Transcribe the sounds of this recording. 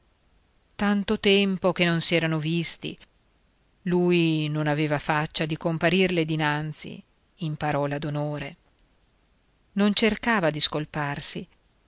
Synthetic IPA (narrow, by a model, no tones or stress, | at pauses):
t̪ant̪ot̪ɛmpok̟enonsiɛːɾanovist̪ḭ | lujnonaveːvafat͡ʃːad̪ikompaɾirled̪inant̪sḭː | mpaɾɔːlad̪onoːɾe | nont͡ʃerkaːvad̪iskolparsi